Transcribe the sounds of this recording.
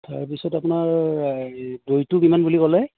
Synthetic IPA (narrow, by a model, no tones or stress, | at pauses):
taɹpisɔtapʊnaɹ | dojtʊkimanbulikɔlɛ